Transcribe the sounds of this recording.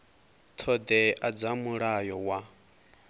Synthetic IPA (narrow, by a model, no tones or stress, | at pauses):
t̪ʰɔd̪ɛʔad͡zamuɺajɔwa